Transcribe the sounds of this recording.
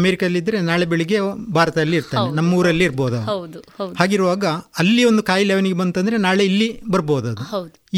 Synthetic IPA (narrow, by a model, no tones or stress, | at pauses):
ɐmeːɾikɐd̪ɐlːid̪ːɐɾe̞naːɭebeɭiɡe̞bʱaːɾɐt̪ɐɐlːiːɾt̪aːɾenɐmːɐuːɾɐlːiːɾboːd̪ɐd̪uhaːɡiɾuʋaːɡɐɐlːio̞nd̪ukaːjlɛːʋɐniɡebɐnt̪ɐnd̪ɐɾe̞naːɭe̞ilːibɐɾboːd̪ɐd̪ui